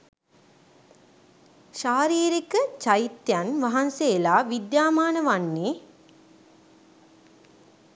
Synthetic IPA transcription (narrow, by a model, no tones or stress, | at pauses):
ʃaːɾiːɾikət͡ʃait̪janʋɐɦanseːlaːʋid̪jaːmaːnəʋanːe